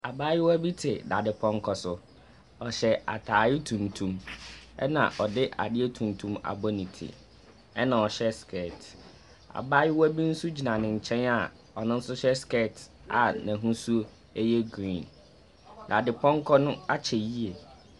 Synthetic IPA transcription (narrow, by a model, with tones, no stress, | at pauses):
a˨baː˦jɪ˦wæ˦bi˦tʰɪ˨da˨dɪ˨pʰɔ̃˦ŋ˦kʰɔ˦sʊ˦ | ɔ˨ɕɛ˨a̰˨tʰaː˨jɪ˦tʰũ˨ntʰũ˨mɛ̰˦nã̰˨ʔɔ˨dɪ˦ʔa̰˨dɪ˦e˦tʰũ˨n˨tʰũ˦ma̰˨bɔ˦nĩ˨tʰḭ˨ | ɛ˦nã˨ɔ˨ɕɛ˦skʰɛ˦˨t | a̰˨baː˦jɪ˦wɔ˦bi˦n̩˦su˦d͡ʑi˨nã˨nɪ̃˨ɲ̩˨t͡ɕʰɛ̃˦na˨ | ɔ˨nʊ̃˦n̩˦sʊ˦ɕɛ˦skɛ˦˨t | a˨nɛ̃˨ɦũ˦su˦ | e˦jɛ˦ɡɾĩ˨n | da˨dɪ˨pʰɔ̃˦ŋ˦kʰɔ˦nʊ̃˦a˦t͡ɕʰɛ˨ji˦e˨